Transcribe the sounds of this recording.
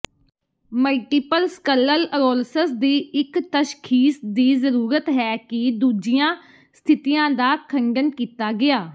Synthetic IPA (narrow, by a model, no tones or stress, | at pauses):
məlʈiːpəlskəlːələɾoːlsəsd̪iːɪkt̪əʃkʰiːsd̪iːzəɾuːɾət̪ɦɛːkɪd̪uːd͡ʒɪjãː | st̪ʰɪt̪ijãːd̪aːkʰəŋɡənkiːt̪aːɡɪaː